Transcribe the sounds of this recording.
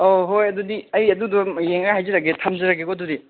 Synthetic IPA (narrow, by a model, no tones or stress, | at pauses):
oɦojɐdudiɐjɐdudɔjeŋɡahajziɾaɡetʰamzɐɾaɡeɡodudi